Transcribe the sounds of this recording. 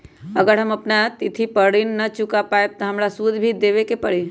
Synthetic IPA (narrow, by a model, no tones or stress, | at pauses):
əɡəɾɦəməpnat̪it̪ʰipəɽinːət͡ʃukapaet̪ɔɦəmɾasud̪ʱbʱid̪eʋekepəɽi